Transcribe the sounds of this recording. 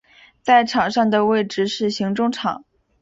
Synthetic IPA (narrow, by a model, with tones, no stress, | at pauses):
t͡sa˥˩ɪʈ͡ʂʰɑ˨˩ŋʂɑ˥˩ŋd̪ə˩we˥˩ɪʈ͡ʂɻ̩˥ʂɻ̩˥˩ɕi˧˥ŋʈ͡ʂʊ˥˧ŋʈ͡ʂʰɑ̰˨˩˦